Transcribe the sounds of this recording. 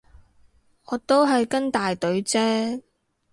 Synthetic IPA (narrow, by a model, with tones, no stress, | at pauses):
ʔɔː˨˧t̪o˥wɦɐ˨jkɐ˥ŋt̪aː˨jt̪ɵ˨˥ɥt͡sɛː˥